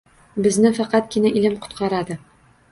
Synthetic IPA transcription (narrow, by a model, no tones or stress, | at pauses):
bɘ̆znɘfæqɑt̪̚kinæʔilɘmqŏ̥t̪qɑɾɑd̪ɤ